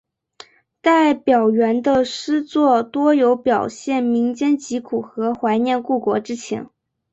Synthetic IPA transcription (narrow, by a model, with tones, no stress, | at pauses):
t̪a˥˩ɪpjɑ˨˩ʊɥɛ˧˥nd̪ə˧ʂɻ̩˥t͡swɔ˥˩t̪wɔ˥jo˧˥ʊpjɑ˨˩ʊɕjɛ˥˩nmi˧˥ŋt͡ɕjɛ˥nt͡ɕi˧˥kʰu˨˩xɤ˧˥xwa˧˥ɪnjɛ˥˧nku˥˩kwɔ˧˥ʈ͡ʂɻ̩˥t͡ɕʰjɛ̰˧˥n